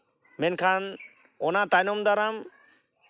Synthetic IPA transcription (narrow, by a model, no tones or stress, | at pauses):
mɛnkʰan | ɔnat̪ajnɔmd̪aɾam